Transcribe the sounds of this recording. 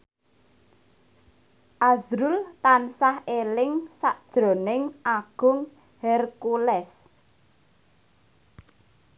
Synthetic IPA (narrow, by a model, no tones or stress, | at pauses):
ʔazɾult̪ansahelɪŋsaʔd̥ʒ̥ɾo̤nɪŋʔaɡ̥ʊ̤ŋ | hɛrkulɛs